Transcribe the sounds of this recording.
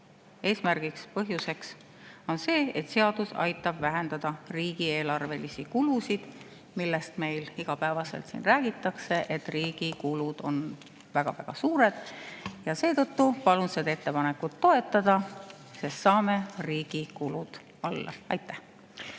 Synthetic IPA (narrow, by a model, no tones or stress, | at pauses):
e̞ːsmærɡ̥ikspɤɦjuse̞ks | o̞nse̞ːet̪ːse̞ɑd̪̥usɑ̰jt̪ːˑɑb̥væɦe̞nd̪ɑd̪̥ɑriːɡ̥ie̞ːlɑrve̞lisikulusid̪̥ | milːest̪me̞jliɡ̥ɑpæevɑse̞̰lt̪sḭnræːɡ̥it̪ːˑɑkse̞ʔet̪ːˑriːɡ̥ikulud̪̥o̞̰n | væɡ̥ɑ̰væɡ̥ɑsuːɾe̞d̪̥jɑse̞ːt̪ɤt̪ːupɑlunsed̪e̞t̪ːe̞pɑne̞kːut̪ːo̞e̞t̪ːˑɑd̪̥ɑ | sest̪sɑːme̞riːɡ̥ikulud̪̥ | ɑlːɑ̰ɑjt̪ːˑæh